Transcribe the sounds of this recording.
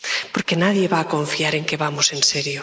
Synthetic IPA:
poɾkenaðje̞βaːkõ̞ɱfiaɾe̞ŋke̞βamose̞nseɾjo

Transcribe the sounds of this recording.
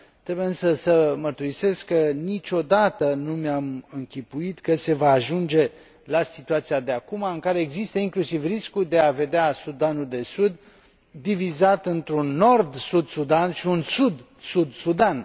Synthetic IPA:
t̪ɾe̞bujeɨnsəsəmərt̪uɾise̞skkːənit͡ʃʲo̞d̪at̪ənumeamɨŋkʲipuit̪kəse̞vaːʒund͡ʒe̞ | lasit̪uat̪sijad̪eakumaɨŋkaɾe̞ːɡzist̪əiŋklusivriskud̪e̞ave̞d̪easud̪anuld̪e̞sud̪ː | ivizat̪ɨnt̪ɾunːo̞rd̪sud̪sud̪anʃiunsud̪ | sud̪sud̪an

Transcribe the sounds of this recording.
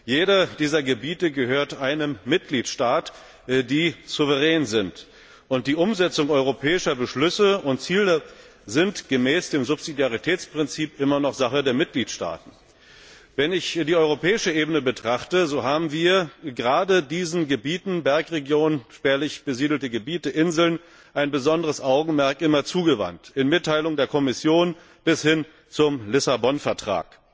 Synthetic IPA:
jeːɾɐd̥iːzɐɡəbiːtəɡəhøːɐtʔaɪnəmːɪt̚ɡ̥liːtʃtaːt | diːz̥uvəʁɛːnzɪnt | ʔʊnt̚d̥iːʔʊmzɛt͡sʊŋʔɔʏʁopʰɛːɪʃɐbəʃlʏsəʊntt͡siːlə | zɪntɡ̥əmɛːsd̥eːmzʊpz̥idjaʁitʰɛːt͡spʁ̥ɪnt͡siːpʔɪmɐnɔχz̥aχədeːɐmɪt̚ɡ̥liːtʃta̰ːtn̩ | vɛnɪçd̥iːɔʏʁopʰɛːɪʃəʔeːbənəbətʁ̥aχtəzoːɦaːbm̩viːɐɡəʁaːdədiːzn̩ɡəbiːtn̩bɛɐkʁeɡjoːnnʃpɛːɐlɪçb̥əziːdl̩təɡəbiːtəʔɪnzl̩n | ʔaɪnbəzɔndəʁəsʔaʊɡŋ̩mɛɐkʔɪmɐt͡suːɡəva̰ntɪnmɪtʰːaɪlʊŋdeːɐkʰɔmɪsjoːn | b̥ɪshɪn | t͡sʊmlɪsabɔnfɛɐtʁ̥a̰ːk

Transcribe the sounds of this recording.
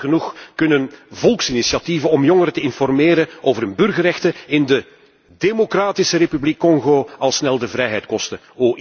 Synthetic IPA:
ɣənuxkɵnənvɔlˠksinisjɑtivəɔmjɔŋəɾətəɪnfɔrmeːɾəʔoːvərɵnbʏrɣərɛxtəɪndə | demokraːtisəɾepyblikːɔŋɣoːɑlˠsnɛlˠdəvɾɛjɦɛjtkɔstə | oː

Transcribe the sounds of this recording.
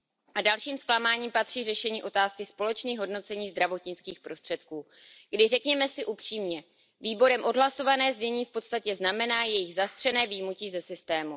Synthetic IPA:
ʔadalʃiːmsklamaːɲiːmpat̪r̝̥iːrɛʃɛɲiːʔo̞t̪aːskɪspo̞lɛt͡ʃniːxɦo̞dno̞t͡sɛɲiːzd̪ɾavo̞t̪ɲɪt͡skiːxpɾo̞st̪r̥ɛt̪kuː | ɡ̥dɪrɛkɲɛmɛsɪʔupr̝̥iːmɲɛ | viːbo̞ɾɛmʔo̞dɦlaso̞vanɛːzɲɛɲiːfpo̞t̪st̪acɛznamɛnaːjɛjɪɣzast̪r̥ɛnɛːvijmuciːzɛsɪst̪ɛːmu

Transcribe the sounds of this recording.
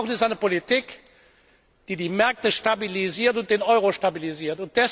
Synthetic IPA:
xnɪstaɪnəpolitik | d̥iːdiːmɛɐk̚təʃtabiliziːɐtʊnt̚d̥eːnɔʏʁoʃtabiliziːɐtʊnt̚d̥ɛs

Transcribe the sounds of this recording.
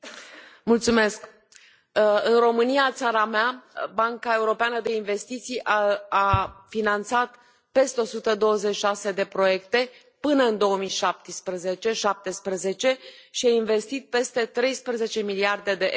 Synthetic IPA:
mult̪sume̞sk | ɨnro̞mɨnijat̪saɾameabaŋkae̞uɾo̞peanəd̪e̞inve̞st̪it̪sijʔaafinant̪sat̪ | pe̞st̪eo̞sut̪əd̪o̞wəze̞t͡ʃʃase̞d̪e̞pɾo̞je̞kt̪e̞ | pɨnəɨnd̪o̞əmijʃap̚t̪ispɾəze̞t͡ʃe̞ʃap̚t̪e̞spɾəze̞t͡ʃe̞ʃiainve̞st̪it̪̚pe̞st̪e̞t̪ɾe̞jspɾəze̞t͡ʃe̞miliard̪e̞d̪e̞ʔ

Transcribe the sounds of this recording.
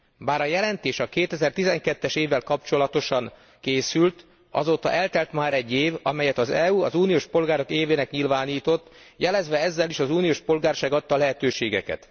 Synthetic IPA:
baːɾɒjɛlɛnt̪eːʃɒkeːt̪ɛzɛrt̪izɛŋkɛt̪ːɛʃeːvːɛlkɒp̚t͡ʃo̞lɒt̪o̞ʃɒŋ | keːsylt̪ | ɒ̰zoːt̪ɒ̰ʔɛlt̪ɛlt̪maːɾɛɟːeːvɒmɛjɛt̪ɒzɛuɒzuːnijoːʃpo̞lɡaːɾo̞keːveːnɛkɲilvaːniːt̪o̞t̪ː | jɛlɛzʋɛɛzːɛliʃɒzuːnioːʃpo̞lɡaːrʃaːɡɒt̪ːɒːlɛɦɛt̪øːʃeːɡɛ̰kɛ̰t̪

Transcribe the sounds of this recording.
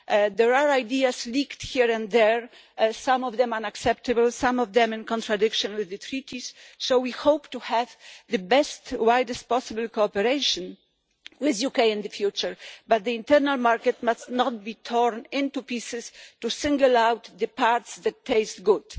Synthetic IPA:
d̪ɛɹaɹajd̪iaslikt̪hiɹɛ̃nd̪dɛɹ | sãmɔvd̪ɛ̃mãnaksɛp̚t̪ɨbəlsãmɔvd̪ɛ̃mɨ̃nkɔ̃nt̪ɹad̪ɪkʃɔ̃nwɪððɨt̪ʰɾit̪ʰissowwihowpt̪uhɛvðɨbɛstwajd̪ɛst̚pɔsɪbəlkɔɔpɛɾeɪʃɔ̃n | wɪðjukejɛ̃nd̪ɨfjut͡ʃəɹbat̪̚d̪əĩnt̪ɛɾnalmaɹkɛt̪mastnɔt̪̚bit̪ʰɔɹnɪ̃nt̪upisɪstusɪ̃ŋɡəlawt̪d̪ɨpaɾt̪sd̪ɛtʰːeɪst̪ɡud̥

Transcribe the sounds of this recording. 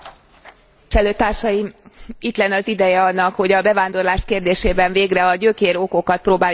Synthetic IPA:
ʃɛløːt̪ːaːrʃɒjimit̪lɛnːɒzid̪ɛjɛɒnːɒkho̞ɟɒbɛvaːnd̪o̞rlaːʃkeːrd̪eːʃeːbɛɱveːɡrɛɒɟøːkeːɾo̞ko̞kɒt̪̚proːbaː

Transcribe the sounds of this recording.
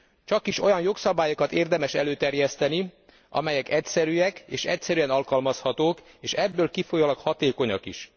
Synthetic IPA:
t͡ʃɒkiʃo̞jɒnjo̞ksɒbaːjokɒt̪eːrd̪ɛmɛʃɛløːt̪ɛrjɛst̪ɛni | ʔɒ̰mɛjɛkɛcsɛɾyɛkeːʃɛ̰csɛɾyɛnɒlkɒlmɒshɒt̪oːk | eːʃɛbːøːlkifojɒlɒkhɒt̪eːko̞ɲɒkḭʃ

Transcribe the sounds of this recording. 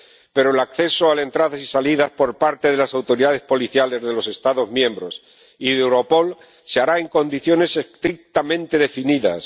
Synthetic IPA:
pe̞ɾoelakθe̞soale̞nt̪ɾaðasisaliðaspo̞ɾpaɾt̪e̞ðe̞lasawt̪o̞ɾiðað̞e̞spo̞liθjale̞zðe̞lo̞se̞st̪aðo̞zmjẽ̞mbɾo̞s | iewɾo̞po̞l | seaɾae̞ŋko̞nd̪iθjo̞ne̞sekt̪ɾik̚t̪amẽ̞nt̪e̞ðe̞finiða̰s

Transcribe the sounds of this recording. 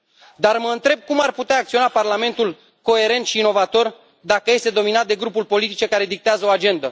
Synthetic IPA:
d̪arməɨnt̪ɾe̞b̚kumarput̪eaːk̪̚sio̞naparlame̞nt̪ul | ko̞e̞ɾe̞nt̪ʃiːno̞vat̪o̞r | d̪akəje̞st̪e̞d̪o̞minat̪̚d̪e̞ɡɾupulpo̞lit̪it͡ʃe̞kaɾe̞d̪ik̚t̪eazəoad͡ʒe̞nd̪ə

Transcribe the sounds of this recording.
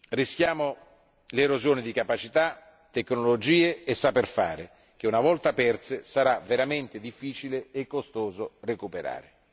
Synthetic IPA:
risk̟jaːmo | leɾozjoːnɪd̪ikapat͡ʃit̪a | t̪ekːnolod͡ʒiːeːsːaperfa̰ːɾɪ | k̟eunavɔlt̪apɛrt̪sesaɾaveɾament̪ɪd̪ifːiːt͡ʃileekːost̪oːzorekupeɾa̰ːɾɪ

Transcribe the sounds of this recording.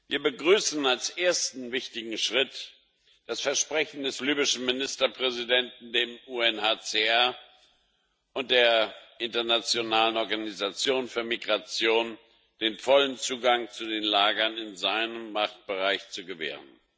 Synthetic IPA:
viːɐbəɡʁyːsn̩alsʔeːɐstn̩vɪçtɪɡŋ̩ʃʁ̥ɪt | d̥asfɛɐʃpʁ̥ɛçn̩dɛslyːbɪʃn̩mɪnɪstɐpʁ̥ɛzidɛntn̩deːmuːɛnhaːt͡seɛɐ | ʔʊnt̚d̥eːɐʔɪntɐnat͡sjonaːlənɔɐɡanizat͡sjoːnfyːɐmiɡʁat͡sjoːn | d̥eːnfɔlənt͡suːɡaŋt͡sudeːnlaːɡɐnɪnzaɪnəmːaχt̚b̥əʁaɪçt͡suɡəvḛːʁ̞ən

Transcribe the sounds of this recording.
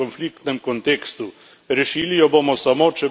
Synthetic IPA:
ɔnflik̚t̪nɛmkɔnt̪eːkst̪u | ɾɛʃiːlijɔboːmɔsamoːt͡ʃɛ

